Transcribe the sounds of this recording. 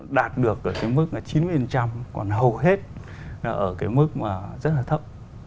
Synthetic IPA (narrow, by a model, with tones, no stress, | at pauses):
ɗaː˨˩t̚ɗɨ˨˩ək̚ʔəː˧˩kaː˨˦jmɨ˦˥k̚laː˨˩t͡ɕi˨˦nmɨ˨˧˩fə˨˩nt͡ɕa˧mkɔ̰˨˩nɦə˨˩wɦe˦˥t̚ | aː˨˩ʔəː˧˩kaː˨˦jmɨ˦˥k̚maː˨˩zə˦˥t̚laː˨˩t̪ʰə˦˥k͡p̚